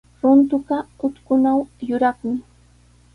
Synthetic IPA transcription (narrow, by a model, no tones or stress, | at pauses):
ɾʊnt̪ʊɢɑʊt̪kʊnawjʊɾɑχmɪ